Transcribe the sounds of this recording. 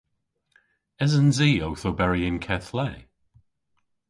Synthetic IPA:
ɛzənziːowθowbɛɹiɪ̃nkʰɛθlɛː

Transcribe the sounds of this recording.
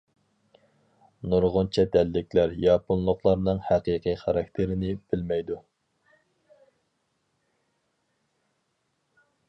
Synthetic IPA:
nuɾʁʊnt͡ʃʰɛd̪ɛlːɪkʲlæɾjɑːpunlˠʊqlˠɑɾnɨŋhæqiqʰiχʰɑɾɑk̚ʲt̪ʰeɾɪnɪb̥ɪlmɛjd̪u

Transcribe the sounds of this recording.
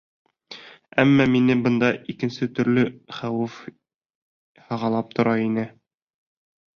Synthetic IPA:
æmːɑminɘbɤ̆nd̪ɑikɘ̆nsɘt̪ɵ̆ɾlɘχæwɘf | hɑʁɑlˠɑp̚t̪ʰŏɾɑinɘ

